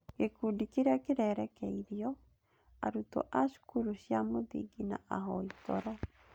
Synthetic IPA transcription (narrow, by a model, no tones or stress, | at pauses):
ɡ̥ekudikiɾakeɾɛɾɛkɛiɾiɔ | aɾuto̰ʔaʃu̥kuɾuɕjamoðḭɡina̰ʔaɦɔitɔ̰ɾa